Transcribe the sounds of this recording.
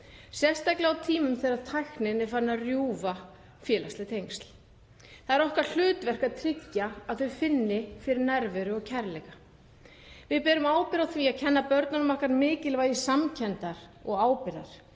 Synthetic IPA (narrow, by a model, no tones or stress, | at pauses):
sjɛst̪ajklɛawt̪ʰiːmʏmθɛːɾaðt̪ʰajxnɪnɛɾ̥faɾnːarjuːva | fjɛːlaslɪt̪ʰejŋst̪l | θaðɛɾɔhkaɾ̥l̥ʏːt̪vɛr̥kaðt̪ʰɾɪcːaaðθœfɪnːɪfɪɾɪɾnɛɾvɛɾʏɔɣcʰɛɾlɛɣa | vɪðpɛːɾʏmaːwpɪɾawθʰviacʰɛnːapœɾt̪nanmar̥kaɾmɪːcɪlvajɪsamcʰɛnt̪aɾ̥ɔɣaːwpɪɾa̰ɾ̥